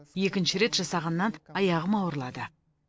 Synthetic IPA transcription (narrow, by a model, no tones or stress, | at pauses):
je̞kʲɪnʃɪɾe̞t̪ʒ̥ɑsɑʁɑnːɑnɑjɑʁəmɑwɾlˠɑd̪ə